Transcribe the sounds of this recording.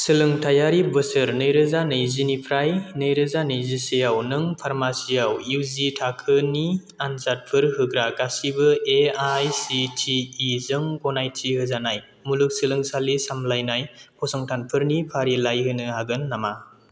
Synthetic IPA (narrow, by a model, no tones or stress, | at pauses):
sɯlɯŋtʰajaɾibɯsɯɾnɯjɾɯzanɯjzinipʰɾajnɯjɾɯzanɯjzisejawnɯŋpʰaɾmasiawuwzitʰakʰɯni | anzat̚pʰɯɾɦɯɡɾaɡasibɯeajsitʰiːzɯŋɡɔnajtʰiɦɯzanaj | mulɯk̚sɯlɯŋsalisamlajnajpʰɔsɔŋtʰanpʰɯɾnipʰaɾilajɦɯnɯɦaɡɯnːama